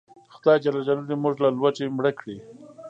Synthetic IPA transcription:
xʊd̪ɑjd͡ʒalɑd͡ʒalud̪imuʒlalwat͡ʃemɽəkɽi

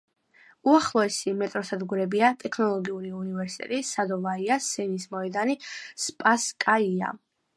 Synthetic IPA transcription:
uaχlˠɔɛsimɛt̪ʼɾɔsad̪ɡuɾɛbiat̪ʼɛkʰnɔlˠɔɡiuɾiunivɛɾsi̥t̪ʼɛ̰t̪ʼisad̪ɔvaiasɛnismɔɛd̪anispʼaskʼaia̰

